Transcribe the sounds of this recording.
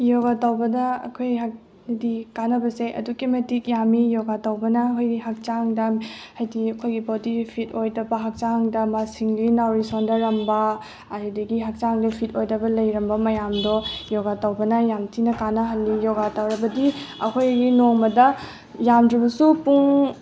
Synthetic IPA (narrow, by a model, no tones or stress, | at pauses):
joɡatawbɐdɐ̰ːkʰojɦak | dikanɐbɐseʔɐ̰dukemetik̚jamijɔɡatɐwbɐnɐːkʰojɡiɦak̚t͡ʃaŋdɐhajdiɐkʰojɡibodipʰitojdɐbɐɦak̚t͡ʃaŋdɐmasiŋlinawɾisondɐɾɐmbɐː | ɾidɐɡiɦak̚t͡ʃaŋdɐpʰitojdɐbɐlɐjɾɐmbɐmɐjamdɔjɔɡatawbɐnɐjamtʰinɐkanɐɦɐlːijɔɡatawɾɐbɐdiɐ̰kʰojɡinoŋmɐdɐ | jamdɾibɐsupuŋ